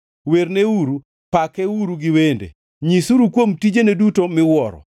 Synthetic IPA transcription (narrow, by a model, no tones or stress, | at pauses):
weɾneuɾu | pakeuɾuɡɪwendḛ | ɲisuɾukwomtid͡ʒenedutomɪwɔɾɔ̰